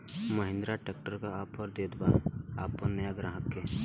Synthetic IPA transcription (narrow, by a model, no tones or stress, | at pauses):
məɦɪ̃nd̪ɾaʈeːk̚ʈəɾkaaːpɔɾd̪eːd̪baaːpːɔnnəjaɡɾaːɦəkːe